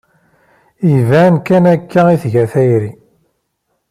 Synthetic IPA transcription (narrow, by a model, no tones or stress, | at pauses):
ivænkːænækːæiθʝæθæjɾi